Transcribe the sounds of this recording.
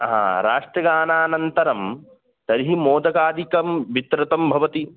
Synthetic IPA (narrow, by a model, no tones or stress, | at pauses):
ɦã̰ːɾa̰ːʂʈɾɐɡaːnaːnɐnt̪ɐɾɐm | t̪ɐɾiɦimoːd̪ɐkaːd̪ikɐmʋit̪ɾɐt̪ɐmbʱɐʋɐt̪i